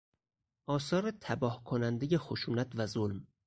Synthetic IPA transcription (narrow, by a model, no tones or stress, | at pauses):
ʔɒːsɒːɾet̪ʰæbɒːhkʰonænd̪ejexoʃuːnæt̪ʰvæzolm